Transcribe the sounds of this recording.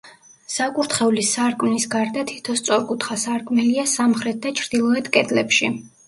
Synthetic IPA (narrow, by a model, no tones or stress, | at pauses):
sakʼuɾt̪χɛulisaɾkʼmnisɡaɾd̪at̪ʰi̥t̪ʰɔst̪sʼɔɾkʼut̪ʰχasaɾkʼmɛliasamχɾɛt̪̚ʰd̪at͡ʃʰɾd̪̥ilˠɔɛt̪ʰkʼɛd̪lɛpʃi